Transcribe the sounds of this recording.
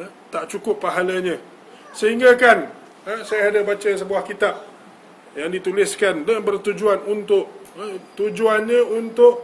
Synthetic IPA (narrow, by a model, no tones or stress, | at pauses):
ə | t̪aʔt͡ʃukʊpːaɦalaɲə̃ | səɦiŋɡakan | əsajaadabat͡ʃəsəbuahkit̪ap̚ | jaŋdit̪ulɪskandəbərt̪ud͡ʒuanunt̪ʊʔət̪ud͡ʒuanɲə̃unt̪ʊʔ